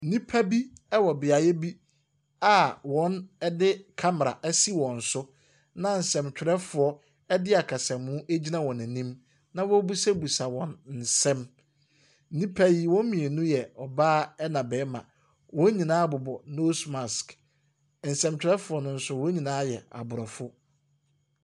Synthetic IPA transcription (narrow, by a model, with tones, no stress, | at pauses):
n̩˦nĩ˦pʰa˦bi˦ɛ˦wɔ˨bɪ˨a˨jɛ˦bi˦ | a˨wɔ̃˦nɛ˦dɪ˦kʰa˦m˨ɾa̰˨ʔɛ˦si˦wɔ̃˨n̩˨sʊ˦ | nã˦n̩˨sɛ̃˨mt͡ɕᶣɪ˨ɾɛ˦fʊ˨ɔ˦ | ɛ˦dɪ˦a˨kʰa˨sɛ̃˨mːʊ̃˦ʔe˦d͡ʑi˦nã˦wɔ̃˨næ̃˨nĩ˦m | nã˦wɔ˦bu˦sɛ˦bu˨sa˨wɔ̃˨nn̩˨sɛ̃˦m̩˦ | nĩ˦pʰæ˦ji˦wɔ̃˦m˦mĩ˨e˨nũ˦jɛ˨ɔ˨baː˦ɛ˦nã˨bɛː˨˦mã̰˨ | wɔ̃˦ɲĩ˨nãː˦bʊ˨bɔ˨no˦sma˨sk | n̩˨sɛ̃˨mt͡ɕᶣɪ˨ɾɛ˦fʊ˨ɔ˦nʊ̃˦n̩˦sʊ˦wɔ̃˦ɲĩ˨nãː˨˦jɛ̰˨a̰˨bʊ˨ɾɔ˨fʊ˦